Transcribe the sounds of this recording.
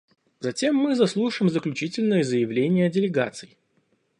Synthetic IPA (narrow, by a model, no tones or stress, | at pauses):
zɐtʲe̞mːɨzɐslˠuʂɨjɪmzəklʲʉt͡ɕitʲɪlʲnɨjəzəjɪvlʲenʲɪjədʲɪlʲɪɡa̰t̪sɨjɪ